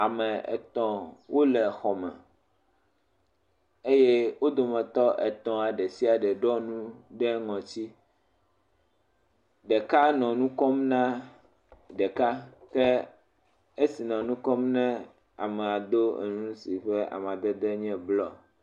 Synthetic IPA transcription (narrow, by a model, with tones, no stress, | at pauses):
a˨mɛ̃˨ɛ̰˨t̪ɔ̃˨wo˦lɛ˨xɔ˨mɛ̰̃˨ | e˦je˦wo˦d̪o˨mɛ̃˨t̪ɔ˦ʔɛ˨t̪ɔ̃˨a˨ɖɛ˨si˦a˨ɖɛ˨ɖɔ˦nũ˦ɖɛ˦ŋɔ̃˨t͡ɕi˦ | ɖɛ˨ka˦nɔ̃˨nũ˦kɔ˦mnã˦ | ɖɛ˨ka˦kɛ˦ | e˦si˨nɔ̃˨nũ˦kɔ˦mnɛ̃˦ | a̰˨mɛ̃˨a˨d̪o˦ḛ˨nũ˦si˨ɸɛ˦ʔa̰˨m˨ã˨d̪ɛ˦d̪ɛ˦ɲɛ̃˦blɔ˦